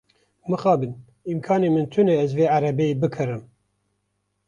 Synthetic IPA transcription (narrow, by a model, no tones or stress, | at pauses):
mɨxɑːbɨn | imkʰɑːneːmɨnt̪ʰɨneɛzveːaɾɛbeebɨkʰɨɾɨm